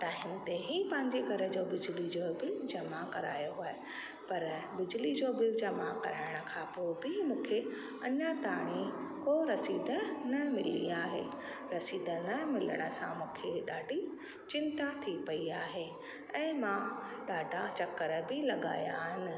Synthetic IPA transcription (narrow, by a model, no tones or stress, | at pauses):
ʈaːɦɪmt̪eɦipɐ̃ɦɪ̃ɲd͡ʑiɡʱɐɾə̆d͡ʑoːbɪd͡ʑlid͡ʑoːbɪld͡ʑɐmakɐɾa̰ːjoaːe | pɐɾbɪd͡ʑlid͡ʑoːbɪld͡ʑɐmakɐɾaːɪɽ̃ə̆kʰãpoːɪbɪmũːkʰe | ɐɲət̪aːɽ̃ikoɾɐsiːd̪ʱənɐmɪlḭaːɦḛ | ɾɐsiːd̪ʱənɐmɪlə̰ɽ̃ə̆sã̰mũːkʰeɗaːɖʱi | t͡ɕɪ̃nt̪at̪ʰipɐiaːɦe | ɛ̃ːmã | ɗaːɖʱat͡ɕɐkəɾəbɪlɐɠa̰ːja̰ːɦɪnɪ̆